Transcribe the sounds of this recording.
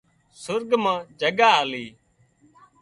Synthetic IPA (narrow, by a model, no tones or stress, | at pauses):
sʊɾɡmãːd͡ʒəɡaːɦliː